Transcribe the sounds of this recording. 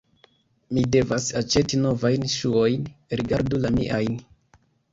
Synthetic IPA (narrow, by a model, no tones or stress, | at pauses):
mide̞vasat͡ʃe̞tino̞vajnʃuo̞jnɾiɡaɾdulamḭʔajn